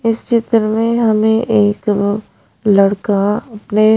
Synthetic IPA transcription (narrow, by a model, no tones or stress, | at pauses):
ɪst͡ʃɪt̪ɾəmẽɦɐmẽʔeːk | lɐɽkaɐpne